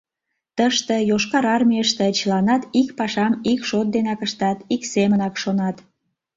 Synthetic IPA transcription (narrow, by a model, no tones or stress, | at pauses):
t̪əʃt̪ejoʃkɑɾɑrmʲiəʃt̪et͡ɕəlɑnɑt̪ikpɑʃɑmikʃot̪̚d̪enɑkəʃt̪ɑt̪iksemənɑkʃonɑt̪